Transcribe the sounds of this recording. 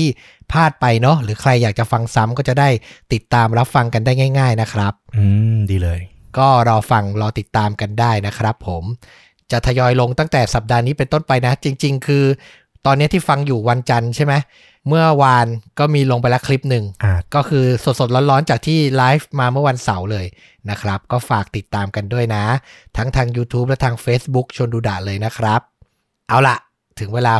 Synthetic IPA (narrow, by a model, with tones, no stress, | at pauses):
t̪ʰiː˥˩ | pʰaː˥˩t̪̚pa˧jnɔ˦˥ɾɯː˩˦kʰɾa˧jːaː˨˩k̚t͡ɕa˨˩fa˧ŋsa˦˥mkɔː˥˩t͡ɕa˨˩daː˥˩jt̪i˨˩t̪ːaː˧mɾa˦˥p̚fa˧ŋka˧ndaː˥˩jŋaː˥˩jŋaː˥˩jna˦˥kʰɾa˦˥p̚ɯː˧mdiː˧lɤː˧j | kɔː˥˩ɾɔː˧fa˧ŋɾɔː˧t̪i˨˩t̪ːaː˧mka˧ndaː˥˩jna˦˥kʰɾa˦˥pʰːo˩˦m | t͡ɕa˨˩t̪ʰa˧jɔː˧jlo˧ŋt̪a˥˩ŋt̪ɛː˨˩sa˨˩p̚daː˧niː˦˥pe˧nt̪o˥˩npa˧jna˦˥t͡ɕi˧ŋt͡ɕi˧ŋkʰɯː˧ | t̪ɔː˧nːi˦˥ɐt̪ʰiː˥˩fa˧ŋjuː˨˩wa˧nt͡ɕa˧nt͡ɕʰa˥˩jma˦˥j | mɯ˥˩ɐwa˧nkɔː˥˩miː˧lo˧ŋp̬a˧jlɛ˦˥kʰli˦˥p̚nɯ˨˩ŋʔaː˧˩kɔː˥˩kʰɯː˧so˨˩t̪̚so˨˩t̪̚lɔː˦˥nlɔː˦˥nt͡ɕaː˨˩k̚t̪ʰiː˥˩laː˦˥jfmaː˧mɯ˥˩ɐwa˧nsa˩˦wlɤː˧j | na˦˥kʰɾa˦˥p̚kɔː˥˩faː˨˩k̚t̪i˨˩t̪ːaː˧mka˧ndu˥˩əjna˦˥t̪ʰa˦˥ŋt̪ʰaː˧ŋjuː˧t̪ʰuː˦˥p̚lɛ˦˥t̪ʰaː˧ŋfeː˦˥sbu˦˥k̚t͡ɕʰu˧ənduː˧da̰˨˩ʔlɤː˧jna˦˥kʰɾa˦˥p̚ | ʔa˧wla˨˩ʔ | t̪ʰɯ˩˦ŋweː˧laː˧